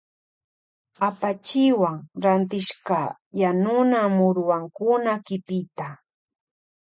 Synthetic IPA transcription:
apat͡ʃɪwaŋɾant̪ɪʃɢɑ | janʊnamʊɾwaŋkʊnakɪpɪt̪a

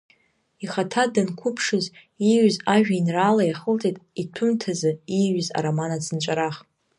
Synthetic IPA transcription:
iχatʰadɨnkʷʰʊpʰʂɨz | iɥzaʒᶣainraːlajaχəlt͡sʼitʼitʰʊmtʰazɨiɥza̰ɾomanat͡sʰɨnt͡ʃʷʼaɾaχ

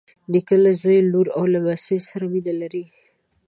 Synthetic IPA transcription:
d̪əkəlazojluɾawlabasujsaɾawid̪alaɾi

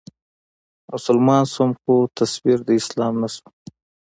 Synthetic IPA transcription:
mʊsʊlmɑːnsumxut̪ʰaswiɾd̪əɪslɑːmnasu

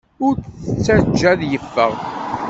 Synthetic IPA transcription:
ʊɾθət͡sːæd͡ʒːæðjəfːəʁ

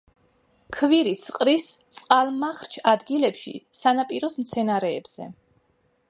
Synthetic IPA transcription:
kʰviɾit̪sʰqʼɾist̪sʼqʼalˠmːaχɾt͡ʃʰad̪ɡilɛpʃḭsanapʼiɾɔsmt̪sʰɛnaɾɛːb̥z̥ɛ̰

